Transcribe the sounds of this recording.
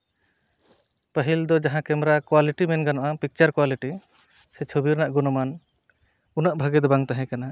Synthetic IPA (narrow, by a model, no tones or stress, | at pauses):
pəɦild̪ɔd͡ʒaɦãkɛmɾakwaliʈimɛnɡanɔʔapik̚t͡ʃaɾkwaliʈi | sɛt͡ʃʰubiɾnaʔɡunɔman | unaʔbʱəɡɛd̪ɔbaŋt̪aɦɛ̃kana